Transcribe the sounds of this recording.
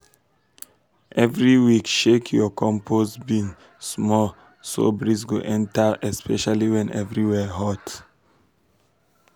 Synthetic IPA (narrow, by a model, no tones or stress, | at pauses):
ʔɛvɹiwikʃekʰjɔkʰɔ̃mpʰosbĩn | smɔl | so̰bɹisɡoʔɛ̃ntəɛspʰɛʃaliwɛ̃nʔɛvɹiwɛɦɔt